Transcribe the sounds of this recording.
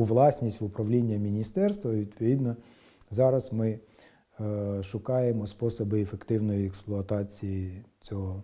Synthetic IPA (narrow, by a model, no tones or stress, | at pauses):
ʊʋlˠɑsʲnʲisʲtʲʋʊpɾɐʋlʲinʲːɐmʲinʲist̪ɛrst̪ʋɐʋʲid̪pɔʋʲid̪nɔ | zɑɾɐzmɪ | ʃʊkɑjemɔspɔsɔbɪefekt̪ɪwnɔjiɛksplˠʊɐt̪ɑt͡sʲijit͡sʲɔɦɔ